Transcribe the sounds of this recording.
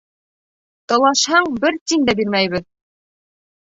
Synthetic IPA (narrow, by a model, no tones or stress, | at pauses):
t̪ɒlˠɑʃhɑɴbɘɾt̪ind̪æbiɾmæjβɘð